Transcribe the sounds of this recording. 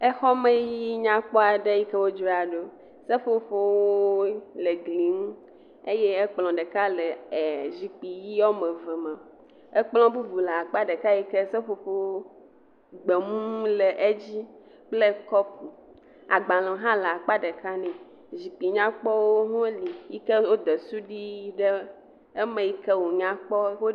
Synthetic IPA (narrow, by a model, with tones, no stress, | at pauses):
ɛ˦xɔ˦me˦ji˦ɲã˦k͡pɔ˦a˨ɖe˦ji˦kɛ˦wo˦d͡ʒo˦a˨ɖo˦ | sɛ˦fo˨ɸo˦wo˦le˨ɡli˨ŋũ˦ | e˦jɛ˦ɛ˦k͡plɔ̃˨ɖɛ˨ka˦lɛ˨zi˨k͡pi˨ji˦ɔ˦mẽ˨vɛ˨mã˨ | ɛ˦k͡plɔ̃˦bu˦vu˨lɛ˨a˨k͡pa˦ɖe˨ka˦ji˦kɛ˦sɛ˦ɸo˨ɸo˦wo˦ | ɡ͡be˨mũ˦lɛ˨ʔe˦d͡ʑi˦ | k͡plɛ˦kɔ˦pu˨ | a˨ɡ͡bã˨lɔ̃˨ɦã˦lɛ˨a˨k͡pa˦ɖe˨ka˦nɛ̃˨ | zi˨k͡pi˨ɲã˦k͡pɔ˦wo˦ɦɔ̃˦li˨ji˦kɛ˦wo˦d̪ɛ˨su˦ɖi˦ɖɛ˦ | ɛ˦mẽ˨ji˦kɛ˦wo˨ɲã˦k͡pɔ˦wo˦